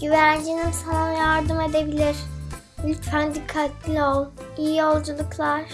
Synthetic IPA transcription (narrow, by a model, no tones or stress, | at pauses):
ɟ̥yvænd͡ʒinimsanˠanjaɾd̪ɯme̞d̪ebilʲiɾ̥ | ylʲt̪fænd̪ikʰːat̪lʲiolˠ | ijijo̞lˠd͡ʒulˠuklˠaɾ̥